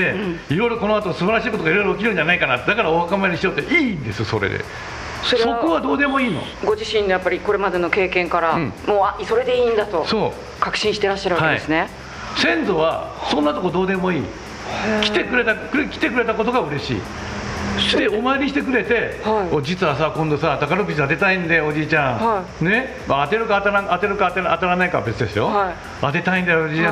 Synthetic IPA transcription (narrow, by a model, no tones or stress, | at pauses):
e̞iɾo̞ijɾo̞ko̞no̞at̪osɨbaɾaɕiːko̞t̪oaiɾo̞jɾokʲiɾɯ̟̃ɲ̟d͡ʑanaikanat̪d̪akaɾaoakamaeɾʲiɕijot̪ːeʔĩːnd̪e̞sɨso̞̰ɾḛd̪ḛ | soso̞koβad̪o̞ːd̪e̞moiːno̰ɡo̞ʑiɕĩnːo̞japːaɾʲiko̞ɾe̞mad̪e̞no̞ke̞ːkẽ̞ŋkaɾãmoːaso̞ɾe̞d̪e̞ĩnd̪at̪o̞so̞ː | kakɯ̥ɕĩɕi̥t̪e̞ɾaɕːaɾɯβahkead̪iesɨne̞ | sẽ̞nzo̞βasõnːat̪o̞kod̪o̞ːd̪e̞mo̞ḭː | kʲit̪e̞kɯ̟ɾe̞t̪akɯkʲi̥t̪e̞kɯ̟ɾe̞t̪ako̞t̪o̞ɡaɯ̟ɾe̞ɕḭː | d̪eomaeɾʲiɕit̪e̞k̬ɯ̟ɾe̞t̪e̞haiod͡ʑit͡sɨβasakõnd̪o̞sat̪akaɾɯkɯt͡ɕad̪e̞t̪aĩnd̪eo̞d͡ʑiːt͡ɕãŋai | ne̞ | maːt̪e̞ɾɯ̟kat̪aɾãat̪e̞ɾɯ̟kat̪eat̪aɾanaika̰be̞t͡sɨd̪e̞sɨjo̞hai | at̪e̞t̪aĩnd̪eod͡ʑiːã